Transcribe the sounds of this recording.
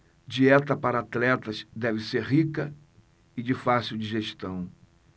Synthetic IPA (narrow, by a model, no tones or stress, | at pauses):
d͡ʒiɛt̪ɐpaɾɐat̪lɛt̪ɐzd̪ɛvɪseɾɦikɐ | ɪd͡ʒɪfasiwd͡ʒiʒeʃt̪ɐ̃w̃